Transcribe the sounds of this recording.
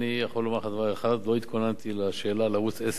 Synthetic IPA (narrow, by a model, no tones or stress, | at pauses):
nijaχolːomaʁχad̪avaʁeχad̪lo̞it̪kʰonant̪ilaʃe̞ːlalaʁut͡ses